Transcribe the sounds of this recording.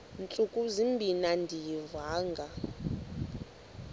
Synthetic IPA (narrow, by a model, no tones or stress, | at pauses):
nt͡ɬʼukʼuzimbʱinandʱijivaːŋɡa